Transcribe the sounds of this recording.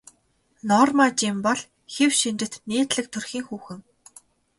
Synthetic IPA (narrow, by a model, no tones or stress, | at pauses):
nɔːrmat͡ɕimpɔɮ | xewʃint͡ɕ̪ɘ̆t̪neːt̪ɮɘ̆k̚t̪ʰɵrxiːŋxuːxɘ̆ŋ